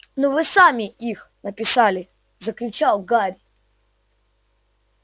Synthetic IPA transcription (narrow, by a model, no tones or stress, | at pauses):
nɔvɨsamʲɪʔixnəpʲɪsalʲɪ | zəklʲʉt͡ɕalˠɡaɾʲ